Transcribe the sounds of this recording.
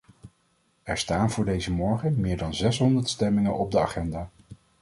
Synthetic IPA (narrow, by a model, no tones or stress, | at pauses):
ɛɹstaːnvʊːɹdejzəmɔɹχənmɪːɹdɑnzɛsɦɔndəɹtstɛmɪŋənʔɔb̚dəa̰χɛndaː